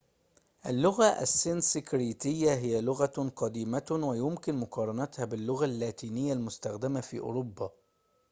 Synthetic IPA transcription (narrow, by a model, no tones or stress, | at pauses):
ʔalːʊɣaʔæ̰sːɪnsɪkɾiːt̪ɪjːaɦɪjːælʊɣæqɑd̪iːmawajʊmkɪnmʊqɑːɾˤɑnæt̪hæbɪlːʊɣalːaːt̪iːnɪjːalmʊst̪axd̪ɪmafḭːʔʊ̰ːɾobːɑ